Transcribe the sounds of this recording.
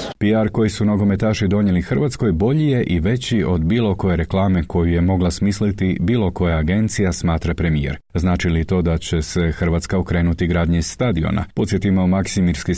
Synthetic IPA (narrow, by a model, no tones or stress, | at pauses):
piaɾko̞jisunoɡo̞me̞t̪aːʃid̪o̞ɲe̞lixr̩ʋat̪sko̞jbo̞ʎije̞ʔiʋe̞t͡ɕio̞d̪biːlˠo̞ko̞je̞ɾe̞klˠaːmeko̞juje̞mo̞ɡlasmiːslit̪ibiːlo̞ko̞jaaɡe̞nt̪sijasmaːt̪ɾapɾe̞mijḛɾznaːt͡ʃilit̪o̞ːd̪at͡ɕe̞se̞xr̩ʋat̪skaokɾe̞ːnut̪iɡɾaːd̪ɲeiz̥ːt̪ad̪io̞̰nʔa̰po̞t̪sje̞t̪imomaksimiɾski